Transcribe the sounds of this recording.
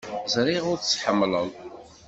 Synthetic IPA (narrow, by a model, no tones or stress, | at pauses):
zˤɾˤiʁʊɾt͡sːħəmːləlˤ